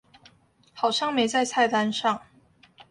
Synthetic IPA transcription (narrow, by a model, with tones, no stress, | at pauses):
xɑ˨˩ʊɕjɑ˥˩ŋme˨˥ɪt͡sa˥˧ɪt͡sʰa˥˩ɪt̪a˥nʂɑ˥˩ŋ